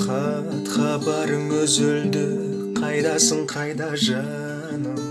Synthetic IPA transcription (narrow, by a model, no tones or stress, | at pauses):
qʰɑ | t̪χɑpɑɾəŋɵzɵld̪ɪ | qʰɑjd̪ɑsəɴqʰɑjd̪ɑʒɑ | nə